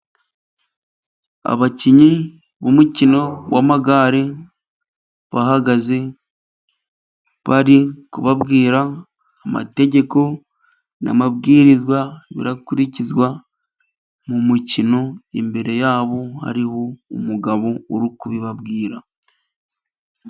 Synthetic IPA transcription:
a̰βaciɲi | βumucino̞wamaɡaːɾe | βahaɡaze̞ | βaɾikuβabɡiːɾaː | ma̰te̞ɟe̞ko̞ | na̰mabɡiːɾizwaβḭɾakuɾicizwa | mumucino̞embe̞ɾe̞jaːβo̞ha̰ɾihoumuɡaβo̞uɾukuβiβabɡiːɾa

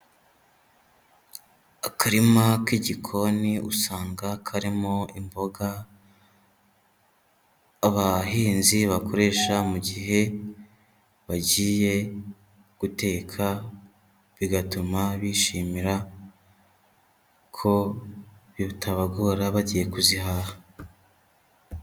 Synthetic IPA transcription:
akʰaɾimakiɟikʰo̞niʔṵsaːŋɡakʰaɾimo̞imbo̞ɡa | aβahiːnziβako̞ɾe̞ːʃamuɟiɦe̞ | βaɟiːje̞ | ɡ̥ute̞ːkʰa | βiɡatumaβiːʃiːmiɾa | kʰo̞ | βitʰaβaɡoːɾaβaɟije̞kuziɦaha

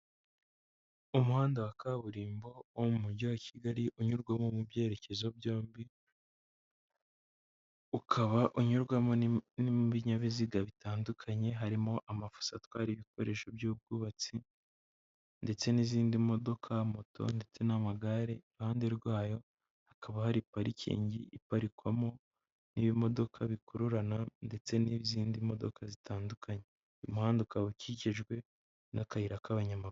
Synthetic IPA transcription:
umuhaːndawakaβuɾiːmbo̞omumuɾɟowacʰiɡaɾiʔuɲuɾɡwamomubje̞ːɾe̞ce̞zo̞bjo̞ːmbi | ukʰaβaʔuɲuɾɡwamoniβiɲaβiziɡaβitaːndukʰaɲe̞ɦaɾimo̞ʔamafu̥satwaːɾiβiko̞ɾe̞ːʃobjuːb̚ɡuːβat͡si | nde̞t͡se̞niːziːndimo̞do̞kʰamo̞to̰nde̞t͡se̞namaɡaɾe̞iɾhaːnde̞ɾɡwaːjo̞ | akaβahaɾipaɾicʰḭːɲɟiʔːpaɾikwamo | niːβimo̞do̞kʰaβikuɾuɾanande̞t͡se̞niβiziːndimo̞do̞̰kazitʰaːndukʰaɲe | imuhaːndukaβuciceʒɡwe̞ | nakahiɾakaβaɲamau

